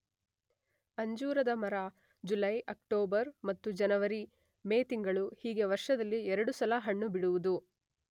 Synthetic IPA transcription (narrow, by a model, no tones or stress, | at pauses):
ɐɲd͡ʒuːɾɐd̪ɐmɐɾa | d͡ʒulɐjʔɐkʈoːbɐɾmɐt̪ːud͡ʒɐnɐʋɐɾi | meːt̪iŋɡɐɭuhiːɡe̞ʋɐɾʂɐd̪ɐlːiɛɾɐɽusɐlɐɦɐɳːubiɽuʋud̪u